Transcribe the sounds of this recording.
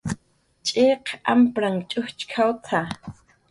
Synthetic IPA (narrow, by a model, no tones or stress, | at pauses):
t͡ʃʼeqʔa̰mpɾaŋt͡ʃʼʊht͡ʃkʰawt̪ʰa